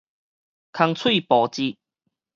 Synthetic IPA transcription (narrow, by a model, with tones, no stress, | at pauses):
kʰa˧ŋt͡sʰwi˥˨pɔ˨˩t͡ɕi˧